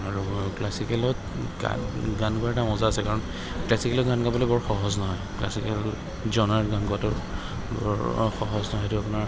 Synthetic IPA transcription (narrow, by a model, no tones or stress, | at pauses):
aɹuklasikɛlɔt | ɡa̰ɡankɔɛtamɔzaːsɛkaɹɔn | klasikɛlɔtɡanɡabɔlɔjbɔɹxɔɦɔznɔɦɔjklasikɛl | zɔnaɹɡankuatʊ | bɔ̰ɹxɔɦɔznɔɦɔjtʊapʊnaɹ